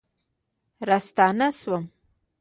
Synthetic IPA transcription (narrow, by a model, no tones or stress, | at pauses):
ɾast̪ɑːnaswəm